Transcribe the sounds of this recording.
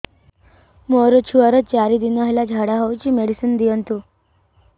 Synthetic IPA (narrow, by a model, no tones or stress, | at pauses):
moɾət͡ɕʰuəɾət͡ɕaɾid̪inəaɦilad͡ʑʱaɽaɦəwt͡ɕiːmeɽisənd̪ijənt̪u